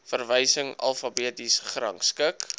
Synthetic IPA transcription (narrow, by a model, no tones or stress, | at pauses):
fərvəjsəŋɐ̰lˠfɐbiːtisχrɐ̰ŋskək